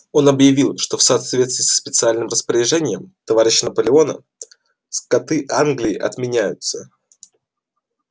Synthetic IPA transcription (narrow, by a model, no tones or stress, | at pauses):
o̞nɐbjɪvʲilˠʂt̪o̞fsɐːt̪vʲet̪st̪ʲɪːsːə̥spʲɪt̪sɨalʲnɨmrəspəɾʲɪʐɛnʲɪjəmt̪ɐvaɾʲɪɕːɪnəpəlʲɪo̞nə̰ | skɐt̪ɨʔanɡlʲɪɪʔɐ̰t̪mʲɪnʲæjʊt̪sə